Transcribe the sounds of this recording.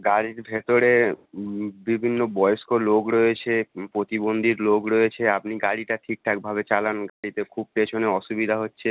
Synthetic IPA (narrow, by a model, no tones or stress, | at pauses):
ɡaɽiɾbʱet̪oɾe | bibʱinːobɔjoʃkoloɡɾɔet͡ɕʰepɾot̪ibond̪ʱiɾloɡɾɔet͡ɕʰeap̚niɡaɽiʈaʈʰik̚ʈʰak̚bʱaβet͡ɕalanɡaɽit̪ekʰub̚pet͡ɕʰoneɔʃubid̪ʱaɦotːɕʰe